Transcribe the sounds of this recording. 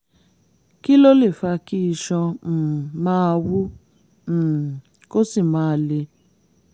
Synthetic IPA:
ki˦lo˦le˦˨fa˧ki˦i˧ʃɔ̃˧˨mãː˦˧wũ˦˨ | ko˦si˦˨mãː˨˦˧le˧

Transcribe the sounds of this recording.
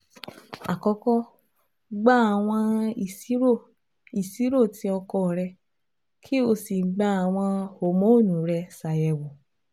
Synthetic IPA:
a˨kɔ˧kɔ˦ | ɡ͡ba˦a˨w̃ɔ̃˧˨˦ | o˦˨ | i˨si˨˦ɾo˦˨tĩ˧ɔ˧kɔ˧˨ɾɛ˧ | kʰi˦o˧si˨˦ɡ͡ba˦a˨w̃ɔ̃˧ho˨mõ˨˦o˦˨nũ˨ɾɛ˧sa˨jɛ˨wo˨

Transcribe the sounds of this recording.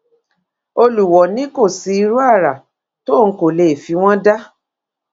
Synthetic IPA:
o˧lu˨wɔ˨nĩ˨˦ko˦˨si˧i˧ɾu˦a˦˨ɾa˨ | to˦˨ŋ̩˨˦ko˦˨le˨fi˨˧w̃ɔ̃˦da˦

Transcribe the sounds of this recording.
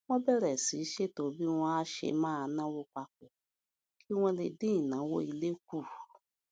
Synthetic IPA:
w̃ɔ̃˦bɛ˦˨ɾɛ˨si˨˦ʃe˦to˧˦bi˦w̃ɔ̃˧a˦ʃḛ˧mãː˦˧nã˦wo˦k͡pa˧k͡po˨ | kʰi˦w̃ɔ̃˧le˧dĩ˦ĩ˦˨nã˨˦wo˦i˧le˦k̚u˦˨

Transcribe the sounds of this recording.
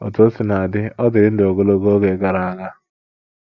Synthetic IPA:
ɔ̰˨to˦sɪ˨˦na˨a˨dɪ˦ɔ˦dɪ˨ɾɪ˦n̩˦do˨ɡo˦lo˦ɡo˦o˦ɡe˨˦ɡa˦ɾa˨a˦ɡa˦

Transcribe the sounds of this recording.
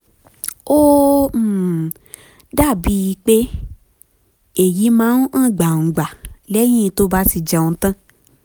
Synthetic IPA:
o˦˨ | da˦˨bi˧˦i˧˦k͡pe˦ | e˨ji˨˦mãː˨˦n̩˦ã˦˨ɡ͡ba˨ŋ̩˨ɡ͡ba˨lɛ˦j̃ĩ˦i˧to˦ba˧˦si˧˨d͡ʒa˨õ˧˦tã˦

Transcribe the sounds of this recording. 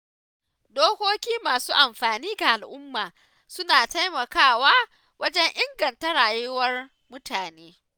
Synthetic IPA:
doː˦kʷoː˦kʲiː˦maː˨suː˦ʔa˨mɸaː˨niː˦ɡa˨ʔa˨lʔʊ˦mːaː˨ | sʊ˦naː˨ta˦jmɐ˨kaː˦˨waː˦ | wɐ˦d͡ʒɛ˦ɲʔɪ˦ŋɡɐ˨ntɐ˦ɽaː˨jʊ˦wɐ˦r | mʊ˦taː˨neː˦

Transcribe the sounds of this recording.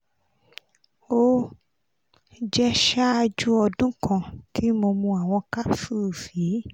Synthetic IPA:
o˦ | d͡ʒɛ˦ʃa˦a˧d͡ʒu˦ɔ˧dũ˦kã˧˨tʰi˨˦mo˧mũ˧a˨w̃ɔ̃˧ka˦fu˦˨fi˨˦

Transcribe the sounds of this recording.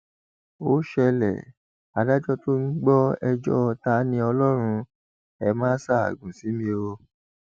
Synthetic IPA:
o˦ʃɛ˧lɛ̰˨ | a˨da˦d͡ʒɔ˦to˦n̩˦ɡ͡bɔ˦ɛ˧d͡ʒɔ̰˦ɔ˧ta˧˦nĩ˧˦ɔ˧lɔ˦ɾ̃ũ˧ | ɛ˧mã˦sa˦˨a̰˨ɡũ˨si˨˦mĩ˧˦o˧

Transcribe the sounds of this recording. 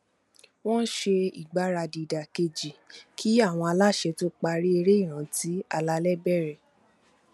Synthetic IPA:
w̃ɔ̃˦n̩˦ʃe˧i˨ɡ͡ba˨˦ɾa˧di˨da˨ke˧d͡ʒi˨kʰi˦a˦˨w̃ɔ̃˧a˧la˦˨ʃɛ˧tu˦k͡pa˧ɾi˦e˧ɾe˦i˦˨ɾ̃ã˨˦ti˨˦a˧la˧lɛ˦bɛ˦˨ɾɛ˨

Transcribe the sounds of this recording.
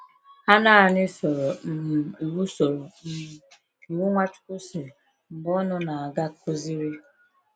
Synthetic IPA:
a˦na˦a˨nɪ˦sɔ˨ɾɔ˨m̩˦˨i˨wu˦sɔ˨ɾɔ˨m̩˦˨ | i˨wu˦ŋʷa˦t͡ʃʊ̥˦kʊ˦se˨ | m̩˨ɡ͡bɔ˦nʊ˦na˨a˨ɡa˦kʊ˦zi˦ɾi˦

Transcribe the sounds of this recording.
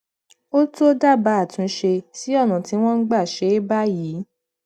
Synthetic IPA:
o˦to˦da˦˨ba˨˦a˦˨tũ˨˧ʃe˧si˨˦ɔ˦˨nã˨ti˨˦w̃ɔ̃˦n̩˦ɡ͡ba˦˨ʃe˨˦ba˦jiː˨˦

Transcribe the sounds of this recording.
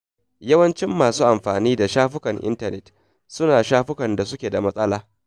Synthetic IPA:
jɐ˦wɐ˦nt͡ʃɪ˦mːaː˨suː˦ʔa˨mɸaː˨niː˦da˨ʃaː˦ɸʊ˦kɐ˨ŋʔɪ̰˦ntɐ˨nɛ˨t | sʊ˦naː˨ʃaː˦ɸʊ˦kɐ˨nda˨sʊ˦kʲeː˨da˨mɐ˦sʼɐ˦laː˦

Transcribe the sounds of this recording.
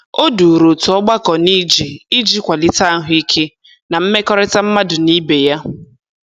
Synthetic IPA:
o˦du˨ɾo˨tʊ˨ɔ˦ɡ͡ba˦kɔ˨ni˦d͡ʒi˨i˦d͡ʒi˦kʷa˨li˦ta˦ɦʊ˦i˦kʰe˦ | na˨m̩˦me˦kɔ˦ɾɪ˦ta˦m̩˦ma˦dʊ˨ni˦be˨ja˦

